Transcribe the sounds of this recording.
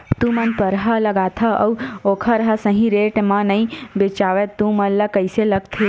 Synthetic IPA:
t̪ũmɐnpəɾɦɐlɐɡaːt̪ʰɐʔɐwoːkʰɐɾɦɐsəɦĩɾeːʈmãnɐĩbet͡ʃaːʋet̪ːũmɐnlɐkəjselɐɡ̚t̪ʰi

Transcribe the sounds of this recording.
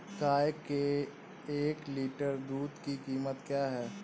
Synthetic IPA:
kaːjke | eːkliːʈəɾd̪uːd̪kikiːmət̪kjaːɦɛː

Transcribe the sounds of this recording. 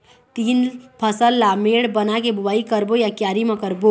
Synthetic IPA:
t̪iːnpʰəsəlːameːɽbənakebʱʊbaːikəɾbojakjaːɾimãkəɾbo

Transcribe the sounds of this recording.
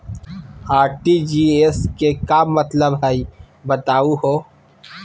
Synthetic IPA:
aːɾʈid͡ʒieskekaːmɐt̪ləbɦai | bɐt̪aːuɦoː

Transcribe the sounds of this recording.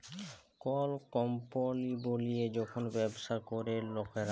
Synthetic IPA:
kɔlkɔmpolibolijed͡ʑɔkʰonbɛbʃakoɾelokeɾa

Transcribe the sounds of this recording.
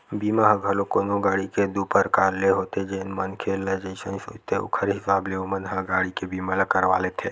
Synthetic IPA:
biːmaɦãɡʱɐlõkonoɡaːɽiked̪uːpəɾkaːɾleɦoːt̪ẽd͡ʒeːnmɐnkʰeːlɐd͡ʒəisə̃iso̰ːt͡ʃt̪eʊ̰kʰəɾɦɪsaːbleʊmənɦãɡaːɽikebʱiːmalakɐɾʋa̰ːlet̪ʰeː

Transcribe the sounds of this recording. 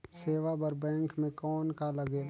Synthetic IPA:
seːʋabəɾbɛ̃ːŋkmẽkɔːnkaləɡeː

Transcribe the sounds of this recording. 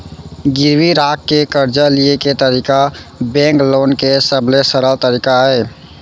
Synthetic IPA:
ɡɪɾwiɾaːkːekəɾd͡ʒalieket̪əɾiːkabɛ̃ːŋkloːnkesəblesəɾəlt̪əɾiːkaɦɛː

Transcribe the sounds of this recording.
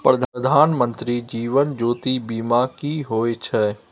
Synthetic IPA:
pɾəd̪ʱəd̪ʱaːnmə̃nt̪ɾid͡ʒiːʋənd͡ʒoːt̪ibiːmakiɦoːet͡ʃʰɛː

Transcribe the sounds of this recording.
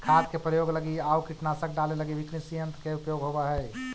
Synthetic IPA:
kʰaːt̪kepɾəjoːɡləɡiaukiʈnasək̚ɖaleləɡiʋikɾisiɦə̃nt̪keupjoːɡɦobaɦɛɪ

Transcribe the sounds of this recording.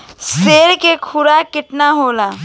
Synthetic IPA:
seːɾkekʰʊɾakɪʈnaɦoːlaː

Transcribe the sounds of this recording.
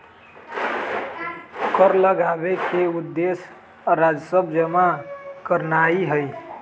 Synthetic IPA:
kəɾləɡabekeud̪ːes | ɾad͡ʒsəbʱd͡ʒəmakəɾnaiɦəj

